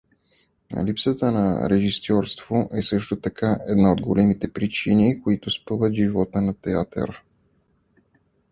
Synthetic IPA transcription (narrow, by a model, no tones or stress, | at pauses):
lipsət̪ənɐ̰ɾɛʒisʲɔɾst̪v̥oʔɛsɤʃt̪ot̪ɐkaʔɛd̪naod̪ɡolɛmit̪ɛpɾit͡ʃinikoit̪ʊspɤvət̪ʒivɔt̪ənɐt̪ɛat̪ə̰ɾə